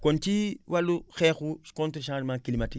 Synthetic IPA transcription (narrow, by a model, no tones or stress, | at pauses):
kont͡ʃiwaluxɛːxukontɾiʃãːɾmakilimati